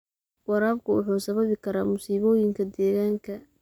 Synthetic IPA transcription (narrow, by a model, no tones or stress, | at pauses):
wɑɾaːbkʰʊwʊħuːsɐβɐβɪkʰɐɾaːmʊsiːβɔːjɪŋkʰɐd̪ɛːɣaːŋkʰɐ